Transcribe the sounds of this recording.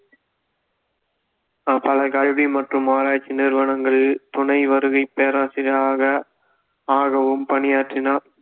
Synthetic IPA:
pɐlɐkɐɻʋimɐʈrɯmaːɾaːt͡ʃːinɪɾʋɐnɐŋɡɐɭt̪ʊɳɐɪʋɐɾɯɣɐɪpːeːɾaːsɪɾaːɣɐ | aːɣɐʋɯmpɐnɪjaːʈrɪnaːɾ

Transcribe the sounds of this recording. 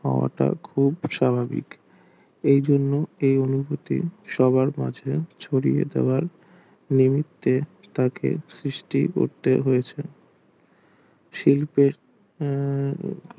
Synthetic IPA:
ɦɔ̰oa̰ʈa̰kʰubʃabʱabḭk | ejd͡ʑonːoejonubʱot̪ḭʃɔbaɾmad͡ʑʱet͡ɕʰoɽijḛd̪ḛoaɾ | nimit̪ːe | t̪akḛsɾiʃʈḭko̰ɾt̪eɦojet͡ɕʰe | ʃilpeɾ

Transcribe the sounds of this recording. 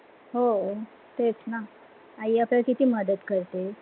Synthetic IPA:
ɦo | t̪et͡sna | aiaplakit̪iːməd̪ət̪kəɾt̪e

